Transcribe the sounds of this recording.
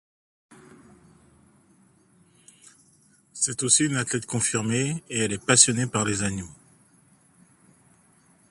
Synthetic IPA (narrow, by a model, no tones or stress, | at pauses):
sɛt̪osiynat̪lɛt̪kɔ̃fiʁmeeɛlɛpasjɔnepaʁlezanjo